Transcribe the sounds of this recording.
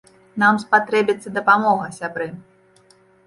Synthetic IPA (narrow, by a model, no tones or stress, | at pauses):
namspat̪ɾɛbʲit̪sːɐd̪ɐpamɔɣɐsʲabɾɨ